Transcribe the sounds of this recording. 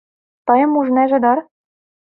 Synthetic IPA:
t̪ɤ̆jɤ̆muʒnæʒĕd̪ɑɾ

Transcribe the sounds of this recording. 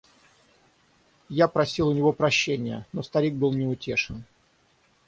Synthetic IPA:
japɾɐsʲilˠʊnʲɪvo̞pɾɐɕːenʲɪjə̰no̞st̪ɐɾʲik̚bɨlˠnʲɪʊtʲeʂɨn

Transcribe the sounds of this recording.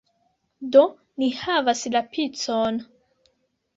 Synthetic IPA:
do | nihavaslapʰit͡son

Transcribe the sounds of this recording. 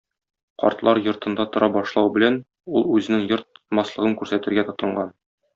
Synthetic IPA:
qɒ̰ɾt̪lˠɑɾjŏɾt̪ɤ̆nd̪ɑt̪ŏɾɑbɒʃlˠɑwbɘ̆læn | ulˠʉzɘ̆nɘŋjŏɾt̪̚mɑslˠɤ̆ʁɤŋkʉɾsæt̪ɘ̆ɾɡæt̪ŏt̪ɤ̆ɴɢɑn

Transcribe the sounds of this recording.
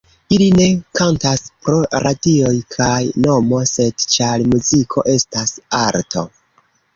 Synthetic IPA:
iline̞kantaspɾo̞ɾadio̞jkʰajno̞mo̞se̞dt͡ʃalmuzikʰo̞̰ʔe̞stasaɾtʰo̞̰

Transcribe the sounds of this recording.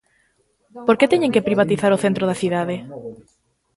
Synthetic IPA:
poɾket̪ɛɲẽŋkepɾiβat̪iθaɾoθent̪ɾoðaθiðaðɪ

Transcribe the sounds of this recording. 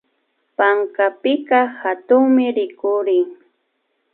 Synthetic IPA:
paŋkapɪkahat̪ʊŋmɪɾɪkʊɾɪŋ

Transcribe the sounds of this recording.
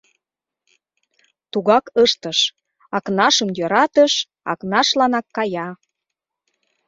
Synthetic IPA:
t̪uɣɑkəʃt̪əʃ | ɑknɑʃəmjøɾɑt̪əʃ | ɑ̰knɑʃlɑnɑkːɑjɑ

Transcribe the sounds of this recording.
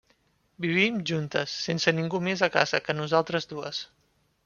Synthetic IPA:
biβ̞imʒunt̪əsːensəniŋɡumezəkazəkənuzalˠt̪ɾəzd̪uəs

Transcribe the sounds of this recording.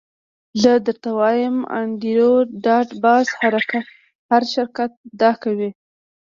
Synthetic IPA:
ləd̪əɾt̪awɑjəma̰ɳɖiɾoɖɑʈbɑshaɾaka | haɾʃɪɾkat̪̚d̪ɑkawi

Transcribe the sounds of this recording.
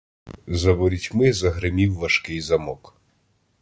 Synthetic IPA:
zɐbɔɾʲitʲmɪzɐɦɾɪmʲiwːɐʃkɪjzɐmɔk

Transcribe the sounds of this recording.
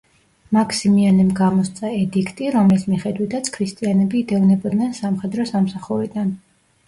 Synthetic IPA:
makʰsimianɛmɡamɔst̪sʼaɛd̪ikʰt̪ʼiɾɔmlismiχɛd̪wit̪ʰat̪sʰkʰɾist̪ʼianɛbiːd̪ɛvnɛbɔd̪nɛnsamχɛd̪ɾɔsamsaχuɾid̪an

